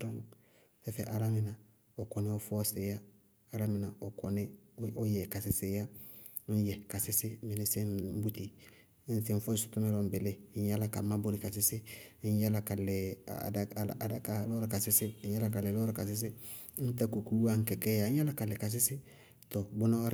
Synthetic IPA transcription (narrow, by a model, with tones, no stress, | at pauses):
dɔ˦ŋ | fɛ˦fɛ˨ʔa˨la˦mɪ˨na˨ | o˨kɔ˨nɛ˦o˦fɔ˦se˨jaː˦˨ | la˦mɪ˨na˨o˨kɔ˨nɛ˦o˦jɛ˨ka˨sɪ˨sɪ˦ja˦ | jɛ˨ka˨sɪ˦sɪ˦mɪ˨nɪ˦sɪ˦n˦bu˦ti˨˦ | n̩˦sɪ˦ɱ˦fɔ˦i˦su̥˨tɔ˦mɛ˦lɔ˨m˨bɪ˨le˦˨˦ɲ˦a˦la˦ka˨ma˦bo˦ɾi˨ka˨sɪ˦sɪ˦ɲ˦ja˦la˨ka˨lɛ̰˨da˦˨a˦ka˨˦lɔ˦ɾka˨sɪ˦sɪ˦a˦la˦ka˨lɛ˨lɔ˦ɾa˦ka˨s̬ɪ˦s̬ɪ˦ | n̩˦ta˦ko˨ku˦wa˦ŋ̩˦kɛ˨kɛ˦jã˨˦a˦la˦ka˨lɛ˨ka˨s̬ɪ˦sɪ˦ | tɔ˨bo˦na˦a˦ɾ